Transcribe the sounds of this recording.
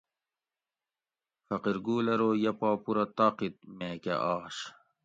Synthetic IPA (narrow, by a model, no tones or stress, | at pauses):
fɐqiɾɡuːlɐɾoːjɐpɑːpuɾɐt̪ɑqit̪̚meːkḛʔɑːɕ